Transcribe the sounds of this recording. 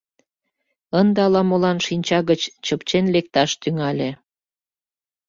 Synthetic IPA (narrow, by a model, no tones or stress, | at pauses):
ənd̪ɑlɑmolɑnʃinʲt͡ɕɑɣət͡ɕt͡ɕəpt͡ɕenlek̚t̪ɑʃt̪yŋɑlʲe